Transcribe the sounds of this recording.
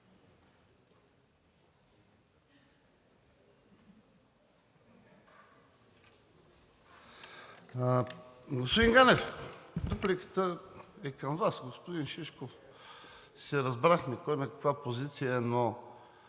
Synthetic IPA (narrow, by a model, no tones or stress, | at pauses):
ɡospod̪iŋɡanɛfd̪uplikə̥t̪əɛkəmvasɡospod̪inʃiʃkof | sɛɾɐzbɾaxmɛkojnɐkɐ̥kvapozit̪sijəno